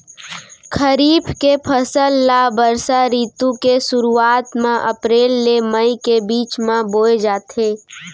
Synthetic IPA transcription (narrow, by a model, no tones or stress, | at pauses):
kʰəɾiːbkepʰəsəlːabəɾsaɾiːt̪ũkesʊɾuaːt̪mãʔəpɾeːlːeməikebiːt͡ʃmãboːed͡ʒaːt̪eː